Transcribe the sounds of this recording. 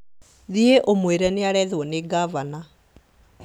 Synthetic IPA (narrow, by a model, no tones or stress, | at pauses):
ðieʔomweɾɛneaɾɛðwɔneɡavana